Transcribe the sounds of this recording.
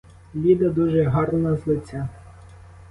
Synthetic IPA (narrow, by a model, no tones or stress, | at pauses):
lʲid̪ɐd̪uʒɛɦɑrnɔnɐzlˠɪt͡sʲːa